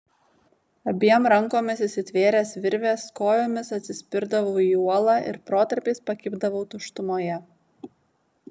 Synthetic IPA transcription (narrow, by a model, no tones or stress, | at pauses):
ɐbʲiɛmɾɐŋkoːmʲɪsɪsʲɪt̪ʲʋʲeːɾʲeːsʋʲɪɾʲʋʲeːskoːjoːmʲɪsɐt̪ʲsʲɪsʲpʲɪɾd̪ɐʋɐʊiuɔlˠɑːʔɪ̰ɾpɾoːt̪ɐɾʲpʲeɪspɐkʲɪːbd̪ɐʋoʊt̪ʊʃt̪ʊmoːjɛ